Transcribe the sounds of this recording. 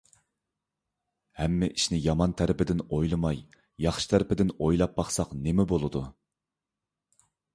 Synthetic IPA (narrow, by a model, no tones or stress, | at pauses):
hɛmːɪʔiʃnɪjɑmɑnt̪ʰæɾɪpʰɪd̪ɪnojlˠɨmɑj | jɑχʃɨ̥t̪ʰæɾɪpɪd̪ɪnojlˠɑp̚bɑχsɑqnemɛbolˠɨd̪u